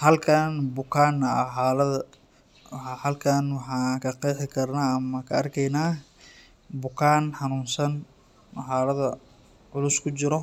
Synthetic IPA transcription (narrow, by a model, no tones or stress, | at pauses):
hɐlkʰanbʊkʰaːnɐaːlɐð | hɐlkʰaːnwɑħɑːkʰɐqɑjħɪkʰɐrnaːɐmɐkʰɐɐrkʰɛjnaː | bʊkʰaːnħɑnuːnsɐn | ħaːlɐðɐ | ʕʊlʊskʰʊt͡ʃɪɾɔ